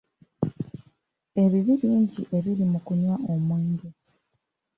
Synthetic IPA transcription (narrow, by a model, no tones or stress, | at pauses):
e̞βiβiɾiɲɟiʔe̞βiɾimukuɲwaʔo̞mweːɲdu